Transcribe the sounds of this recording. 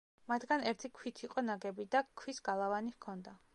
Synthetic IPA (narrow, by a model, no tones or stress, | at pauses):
mat̪ʰɡanɛɾt̪ʰikʰwit̪ʰiqʼɔnaɡɛbid̪akʰwisɡalˠavanikʰɔnd̪a